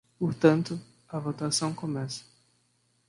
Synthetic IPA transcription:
poɾt̪ɐ̃nt̪ʊ | ɐvot̪asɐ̃w̃komɛsɐ̥

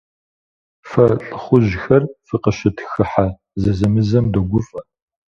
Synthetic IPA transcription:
fɐɬʼɨχʷʊʑxɐrfɨqɐɕɪtʰxɨħa | zɐzɐmɨzɐmdoɡʷʊfʼɐ

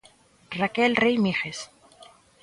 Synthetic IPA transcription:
rakelrejmixes

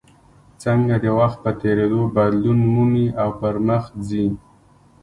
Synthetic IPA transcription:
t͡səŋɡad̪əwaxt̪̚pət̪eɾed̪obad̪lunmuniawpəɾməxzi

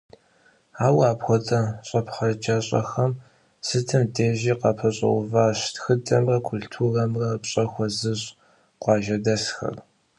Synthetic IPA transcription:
aːwaːpxʷɔt͡sʼɐɕʼɐpχɐd͡ʒɐɕʼɐ̰xɐm | sɨtʰɨmdʰeːʒiːqɐpʰɐɕʼɐ̰ʊvaːɕtxɨdʼɐmrɐkʷʰʊltʰurɐmrɐpɕʼɐxʷɔzɨɕʼ | qʷɑːʒɐdɐsxɐ̰r

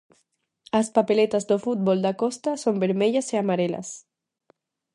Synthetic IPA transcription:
aspapelet̪azd̪ofut̪̚bɔld̪akɔst̪asombeɾmeʎaseamaɾela̰s

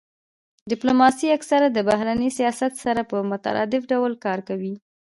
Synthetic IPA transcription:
ɖɪplomɑsiaksaɾad̪əbaɦɾanəsijɑsat̪saɾapəmʊt̪a̰ɾʔɑ̰d̪ɪfɖawlkɑɾkawi

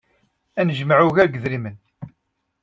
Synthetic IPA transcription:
ænəʒmaʕuʝæɾɡəðɾimən

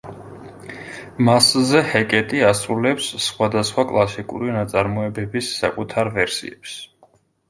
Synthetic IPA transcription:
maszɛhɛkʼɛt̪ʼiasɾulɛpsːχwad̪asχwakʼlˠasikʼṵɾinat̪sʼaɾmɔɛbɛbisːa̰kʼut̪ʰaɾvɛɾsḭɛ̰ps

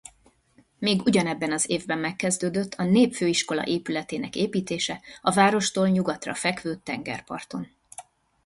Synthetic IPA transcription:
meːɡuɟɒnɛbːɛnɒzeːvbɛmːɛkːɛzd̪øːd̪øt̪ʰːɒneːpføːiʃko̞lɒ̰ʔeːpylɛt̪eːnɛkeːpiːt̪eːʃɛɒvaːɾo̞ʃt̪oːlɲuɡɒt̪rɒ̰fɛkʋøːt̪ːɛŋɡɛ̰rpɒ̰rt̪o̞n

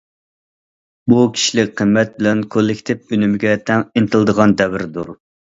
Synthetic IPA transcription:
bukʲʰi̥ʃlɪk̚ʲqʰəmːɛt̪̚bɪlɛnkʰolˠːɪkʲt̪ʰɪp̚ynymɪɡʲɛt̪ʰɛŋɪnt̪ɨlˠd̪əʁɑnd̪ɛwɪɾd̪uɾ

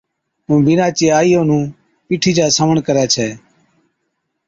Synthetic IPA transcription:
ũːbɪnãːt͡ʃeːaːiːõːnũː | piːʈʰiːd͡ʒaːsəməɳkəɾɛːt͡ʃʰɛː

